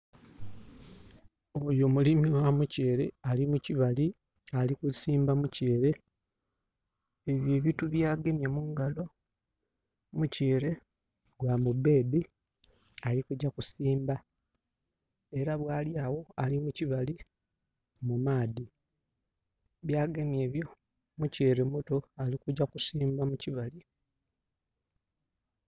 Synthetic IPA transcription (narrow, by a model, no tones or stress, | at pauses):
o̞jo̞mulimiwamuce̞ːɾe̞alimuciβali | alikusiːmbamuceːɾe̞ | eβjeːβituβjaːɡe̞mjamuːŋɡalo̞ | muceːɾe̞ | ɡwamube̞ːbi | alikuɟːakusiːmba | e̞ɾaβwaːljaːwo̞alimuciβali | mumaːdi | βjaːɡe̞mje̞ːβjo̞ | muceːɾe̞muto̞alikuɟːakusiːmbamuciβali